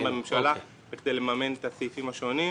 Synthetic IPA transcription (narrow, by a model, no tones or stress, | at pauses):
bamemʃala | bekd̪ejlemamenet̪asifimaʃo̞ni